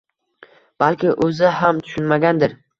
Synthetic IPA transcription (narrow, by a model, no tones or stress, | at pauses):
b̥alkʲɪʔɵzɪɦamt̪ʰʊ̥ʃʊnmaɡʲand̪ɪɾ